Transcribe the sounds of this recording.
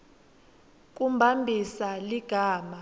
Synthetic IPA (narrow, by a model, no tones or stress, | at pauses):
k̬ʼumbʱambʱisaliɡ̥ʱaːma